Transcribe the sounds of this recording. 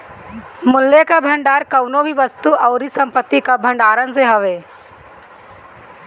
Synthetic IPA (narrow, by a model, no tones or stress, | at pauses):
mʊlːjekabʱɐ̃ɳɖaːɾkɐʊnobʱiʋəst̪uʔɔːɾisɐ̃mpət̪ːikabʱɐ̃ɳɖaːɾənseɦɐʋeː